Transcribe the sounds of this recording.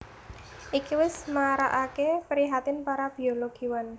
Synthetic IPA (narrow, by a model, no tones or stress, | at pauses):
ʔikiwɪsmaɾa̰ʔakepɾiɦat̪ɪnpaɾab̥i̤oloɡ̥i̤wan